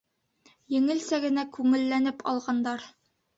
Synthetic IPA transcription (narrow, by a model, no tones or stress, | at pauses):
jɘ̆ŋɘ̆lsæɡɘ̆nækʉŋɘ̆lːænɘpɒ̰lˠʁɑnd̪ɑɾ